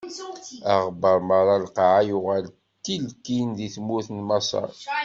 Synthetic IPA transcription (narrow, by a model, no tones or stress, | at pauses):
ɑʁbəɾˤmɑɾˤɑlqʕajʊʁæl | t̪ːilkinðiθmːuθnmɑsˤɑ̰ɾˤ